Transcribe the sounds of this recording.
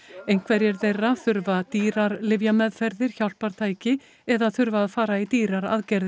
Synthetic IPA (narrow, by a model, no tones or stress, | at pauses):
ejnŋ̥kʰvɛɾjɛɾθejrːaθʏɾvat̪iːɾaɾlɪvjamɛðfɛɾðɪɾ̥çawl̥paɾ̥t̪ʰaːjcɪ | ɛðaθʏɾvaːðfaːɾait̪iːɾaɾa̰ðcɛɾðɪ